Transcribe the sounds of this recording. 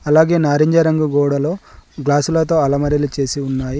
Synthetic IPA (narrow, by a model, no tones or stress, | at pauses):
ɐlaːɡe̞ːnaːɾiɲd͡ʒɐɾɐŋɡuɡɔːɽɐlo̞ːɡlaːsulɐt̪o̞ːɐlɐmɐɾilut͡ʃe̞ːsiunːaːji